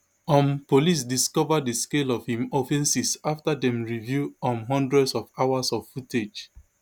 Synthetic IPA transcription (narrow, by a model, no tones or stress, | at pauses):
ɔ̃mpolis̬diskɔvaddəskelɔv̥hĩmɔfɛ̃nsisaftadɛ̃mɹivjuɔ̃nɦɔ̃ndɹɛdsɔvaʊasɔvfuted͡ʒ